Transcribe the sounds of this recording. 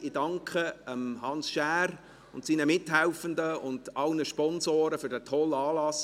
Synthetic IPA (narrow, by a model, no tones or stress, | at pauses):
idɑŋkʰχəəmhɑnsʃæːr | ʊntsiːnəmɪtɦæʊfəndəʊnd̥ɑlnəʃpɔnzoːɾəfʏɾdətʰɔlɑːlɑs